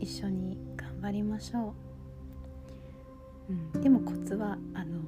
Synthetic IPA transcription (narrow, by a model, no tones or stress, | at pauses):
iɕːo̞ɲ̟iɡ̥ãmbaɾʲimaɕo̞ː | ɯ̟̃ɴd̪e̞mo̞ko̞t͡sɨβaːno̞